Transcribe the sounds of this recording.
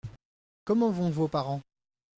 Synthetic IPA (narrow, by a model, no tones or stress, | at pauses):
kɔmɑ̃vɔ̃vopaʁɑ̃